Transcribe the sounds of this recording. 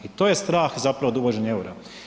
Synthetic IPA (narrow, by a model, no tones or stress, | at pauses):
it̪o̞jest̪ɾaːxzapɾaʋod̪uʋod͡ʑe̞ɲe̞uɾa